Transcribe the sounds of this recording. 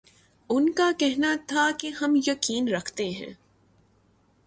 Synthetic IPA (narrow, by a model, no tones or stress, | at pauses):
ʊnkakɛɦnat̪ʰakeɦɐmjɐkiːnɾɐkʰt̪eɦɛ̰̃ː